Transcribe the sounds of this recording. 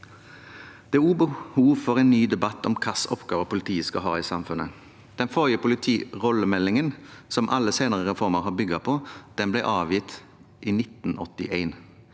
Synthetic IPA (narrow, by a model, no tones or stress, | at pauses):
d̪̥ɛæuːbəhuːʋfɔʁeːnnyːd̪ɛbɑt̪ːɔmkʰɑsɔpɡɑːʋəpʊlɪt̪ʰiːəskɑ̰ɦɑ̰ːiːsɑmfʉnə | d̪̥ɛnfɔʁjəpʊlɪt̪ʰiːʁɔlːəmɛlːɪŋənsɔmʔɑlːəseɪnəʁəʁɛfɔʁməʁɦɑːbʏɡɑpʰɔd̪̥ɛnblæɪʔɑːʋjɪt̪ | ʔiːnɪt̪n̩ɔt̪ɪʔeɪn